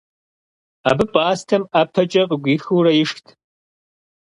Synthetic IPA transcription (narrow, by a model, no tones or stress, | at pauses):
a̰ːbɨpʼaːstʰɐmapʰɐt͡ʃʼɐqʼɡʷiːxurɐjɪʂtʰ